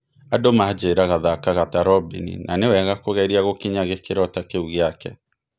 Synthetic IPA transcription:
adomad͡ʒeːɾaɣaðakaɣataɾɔbḭnḭnʔanewɛɣakoɣɛiɾiaɣokiɲaɣekeɾɔtakeuɣjakɛ

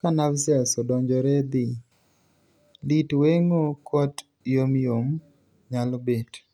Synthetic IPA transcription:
kanavsɪɛsɔdɔɲd͡ʒɔɾɛd̪i | litweŋokʰɔt | jomjom | ɲalbet

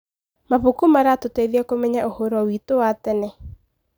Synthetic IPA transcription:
maβokumaɾatoteiðiakomɛɲaʔohɔɾɔwiːtowatɛnɛ

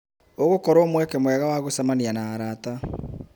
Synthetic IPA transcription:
oɣokɔɾɔmwɛkɛmoɛɣawaɣosamanianaːɾata

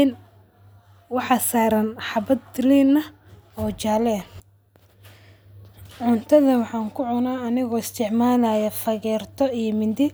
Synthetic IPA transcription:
n | wɑħɑsaːɾɐnħɑβɐd̪̚liːnɐ | ɔːt͡ʃaːlɛ | ʕʊnt̪ʰɐðɐwɑħɑːŋkʰʊʕʊnaːɐnɪɣɔːɪst̪ʰɪʕmaːlajɐfɐɣɛːrt̪ʰɔijmɪnd̪ɪ

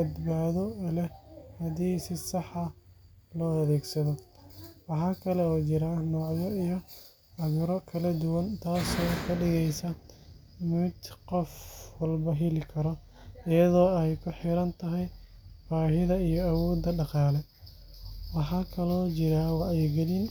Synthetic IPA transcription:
bɐd̪baːðɔlɛhɐðiːsɪsɑħɐlɔːɐðɛːɡsɐðɔwɑħɑːkʰɐlɛɔːt͡ʃɪɾahnɔːʕjɔijɔ | ɐɣʊɾɔkʰɐlɐd̪ʊwɐnt̪ʰaːsɔːkʰɐɖɪɣɛjsɐ | mʊd̪qɔfwɐlbɐɦɛlɪkʰɐɾɔ | ɪjɐðɔːɛjkʰʊħɪɾɐnt̪ʰɐɦɛj | b̥aːɦɪðɐijɔɐwɔːd̪ːɐɖɑqɑːlɛ | wɑħɑːkʰɐlɔːt͡ʃɪɾaːwɑɛjɡɐlin

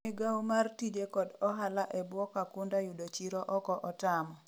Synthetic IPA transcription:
ɪɡawmartid͡ʒekɔdɔɦalaʔɛbwɔkakundajudot͡ʃiɾɔʔɔkɔʔɔtamɔ

